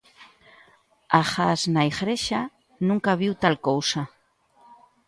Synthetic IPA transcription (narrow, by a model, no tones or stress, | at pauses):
axaznaixɾeʃa | nũŋkaβiwt̪alkowsa